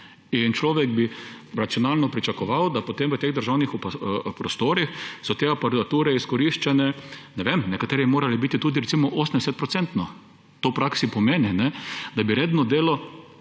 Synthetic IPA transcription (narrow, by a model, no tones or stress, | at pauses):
int͡ʃlɔːʋɛɡbiɾatsjɔnalnɔpɾit͡ʃakɔʋawd̪apot̪emʋət̪eːɣd̪əɾʒawnixuppɾɔst̪oːɾixsɔt̪eapɐɾat̪uːɾɛiskɔɾiʃt͡ʃɛnɛnɛʋemnɛkat̪eːɾiimoːɾalibit̪it̪uːd̪iɾɛt̪simɔʔosənd̪eɛsɛt̪̚pɾɔt̪sɛnt̪nɔ | t̪opɾaksipɔmeːninɛd̪abiɾeːd̪nɔd̪eːlɔ